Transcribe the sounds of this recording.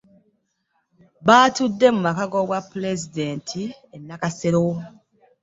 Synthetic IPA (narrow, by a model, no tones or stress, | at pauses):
βaːtudːe̞mumakaɡoɡwapːulezide̞ːntʰienːakase̞ɾo